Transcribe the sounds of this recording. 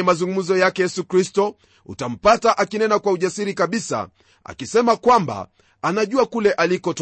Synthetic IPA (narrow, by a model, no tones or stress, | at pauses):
mazuŋɡum̩zɔjakɛjɛsukɾistɔ | ṵtam̩pataʔakinɛnakwauʄasiɾikaɓisa̰ | a̰kisɛmakwamba̰ | anaʄuakulɛʔalikɔt